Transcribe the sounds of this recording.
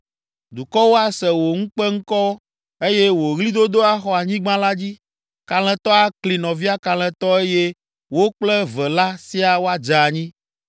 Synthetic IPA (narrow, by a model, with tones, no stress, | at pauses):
d̪u˨kɔ˦wo˦a˦sɛ˨wo˨ŋũ˦k͡pɛ˦ŋ̩̃˦kɔ˦ | e˦je˦wo˨ɣli˦d̪o˦d̪o˦a˦xɔ˨a˨ɲĩ˦ɡ͡bã˦la˦d͡ʑi˦ | ka˨l̃ɛ̃˨t̪ɔ˦a˦kli˨nɔ̃˨vi˦a˦ka˨l̃ɛ̃˨t̪ɔ˦e˦je˦ | wo˦k͡plɛ˦vɛ˨la˦si˦a˨wo˦a˦d͡ʒa˨ɲĩ˦